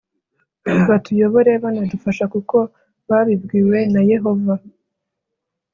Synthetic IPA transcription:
βatujo̞βo̞ɾe̞βanadufaʃakuko̞ | βaβibɡiːwe̞naje̞ɦo̞va

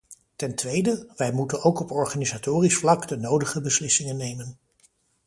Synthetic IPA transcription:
tɛntʋejdəʋɛjmutənowkɔpɔɹχanizatoːrisflɑkdənowdəχəbəslɪsɪŋənːejmən

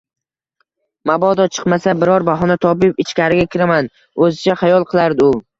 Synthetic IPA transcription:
mabɒd̪ɒt͡ʃʰɨ̥qmasabɪɾɒɾbaɦɒnat̪ʰɒbɪpɪt͡ʃkʲaɾɪɡʲakʲʰɪɾaman | ɵzɪt͡ʃʰaχajɒlˠqʰɨlˠaɾd̪ɪʊ

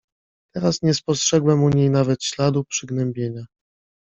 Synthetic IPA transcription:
t̪ɛɾasɲɛspɔstʂɛɡwɛmuɲejnavɛt̪ɕlad̪upʂɘɡnɛmbʲjeɲa

